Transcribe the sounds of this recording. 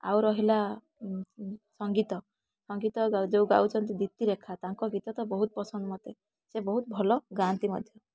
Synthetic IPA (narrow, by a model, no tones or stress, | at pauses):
a̰wɾɔɦila | sɔŋɡit̪ɔ | sɔŋɡit̪ɔɡad͡ʒewɡa̰wt͡ʃʰɔnt̪̬id̪it̪iɾekʰat̪aŋkɔɡit̪ɔt̪ɔbɔɦut̪ɔpɔsɔnd̪ɔmɔt̪e | sebɔɦut̪̚bʱɔlɔɡɾant̪imɔ̰d̪ʱjɔ